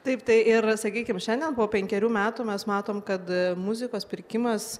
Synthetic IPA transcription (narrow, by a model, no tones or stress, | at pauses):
t̪ɐɪpt̪ɐɪʔɪɾsɐkʲiːkʲɪmʃʲɛnʲd̪ʲiɛnpoːpʲɛŋʲkʲɛɾʲuːmʲæːt̪uːmʲɛsmɑːt̪oːmkɐt̪mʊzʲɪkoːspʲɪɾʲkʲɪmɐs